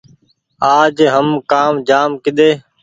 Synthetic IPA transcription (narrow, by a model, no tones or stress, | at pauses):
aːd͡ʒɦəmkaːmd͡ʒaːmkɪɗ̪eː